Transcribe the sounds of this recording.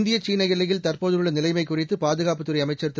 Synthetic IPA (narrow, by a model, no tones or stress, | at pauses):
nd̪ɪjɐt͡ʃiːnɐɣɛɭːɐjɪlt̪ɐrpoːðɐɯɭːɐnɪlɐɪmɐɪkːʊrɪt̪ːɯpaːðɯɣaːpɯt̪ːɯɾɐɪɐmɐɪt͡ʃːɐɾt̪